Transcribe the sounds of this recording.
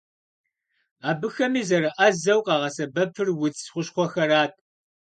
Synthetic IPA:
aːbɨxɐmiːzɐɾɨʔɐzɐwqɑːʁɐsɐbɐpʰɨrwʊt͡ssχʷʊɕχʷɔxɐɾaːt̚ʰʼ

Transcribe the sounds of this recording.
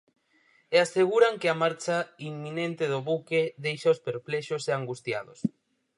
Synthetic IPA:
easeɣ̞uɾaŋkeamaɾt͡ʃaimːinent̪ɪðʊβukeðejʃaospeɾplɛʃoseaŋɡust̪ja̰ðʊs

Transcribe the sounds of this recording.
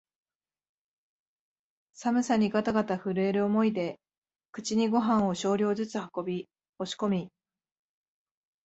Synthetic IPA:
samɯ̟saɲ̟iɡat̪aɡat̪aɸɯ̟ɾɯ̟e̞ɾɯ̟omo̞id̪e̞ | kɯ̥t͡ɕiɲ̟iɡo̞ɦãɰ̃o̞ɕo̞ːɾʲo̞ːzɨt͡sɨhako̞bʲi | o̞ɕi̥ko̞mʲi

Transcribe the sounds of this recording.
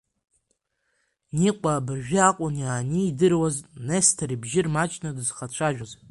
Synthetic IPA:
niqʷʼaːbɨrʒᶣɪaqʷʼʊnjaːniːdɨrwaznestʰaɾibʒɪrmat͡ʃʼnadɨzχat͡ʃʷʰaʒᶣaz

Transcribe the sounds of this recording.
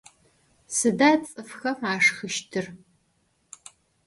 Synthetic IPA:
sɨdaːt͡sʼɨfxɐaːʂxɨʃtʰɨr

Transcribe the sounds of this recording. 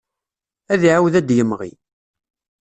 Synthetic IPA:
æðiʕawðæd̪jəmːʁḭ

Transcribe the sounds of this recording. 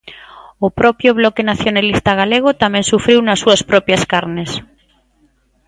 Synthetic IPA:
ʊpɾɔpjʊβlɔkenaθjonalist̪aɣaleɣ̞ʊt̪amɛ̃ŋsufɾiwnɐsːuɐspɾɔpjɐskaɾnes

